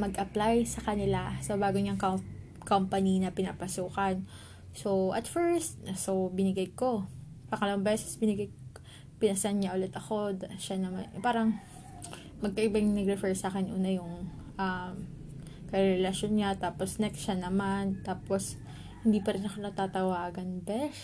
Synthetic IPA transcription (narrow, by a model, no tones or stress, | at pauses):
mɐɡʔɐplajsɐkɐnɪlasɐbaːɡoɲɐŋk | kompɐninɐpɪnaːpɐsuːkɐn | so̞ʔɐt̪fɛɹst̪̚sobɪnɪɡajko̞ | pɐŋɐlɐbaŋbɛːsɛ̥sbɪnɪɡaj | pɪnɐsanɲaʔʊlɛt̪ɐko̞d̪ʃanɐma̰npaːɾɐŋ | mɐɡ̚kɐʔɪbɐŋnɐɡɾɛfɛɹsaːkɛnʔṵːnɐjʊŋʔɐm | kɐɾɛlɐʃonɲat̪aːposnɛksʃanɐmant̪aːpos | hɪnd̪iːpɐɾɪnʔɐkonɐt̪aːt̪ɐwaːɡɐnbɛs